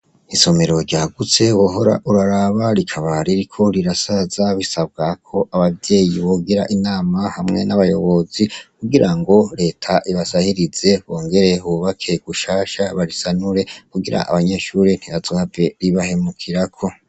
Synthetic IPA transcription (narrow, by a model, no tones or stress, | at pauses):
isome̞ɾo̞ɾɟaːɡut͡se̞woɦo̞ɾa̰ʔuɾaɾaβaɾikʰaβaɾiɾikʰo̞ɾiɾasazaβisabɡakʰo̞ʔaβavje̞ːjiβo̞ɡiɾaʔinaːmahamŋe̞naβajo̞̰βo̞zikuɡiɾʔaŋɡo̞ɾe̞ːtʰaʔiβasahiɾize̞βo̞ːŋɡe̞ɾe̞uβakʰe̞ɡ̥uʃaːʃaβaɾisanuɾe̞kuɡiɾa̰ʔa̰βaɲe̞ːʃuɾen̥hiβazohave̞ɾiβahe̞mukʰiɾakʰo̞